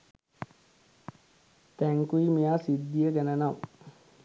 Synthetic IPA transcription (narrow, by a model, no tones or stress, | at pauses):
t̪æŋkuimijaːsid̪ːijəɡænənam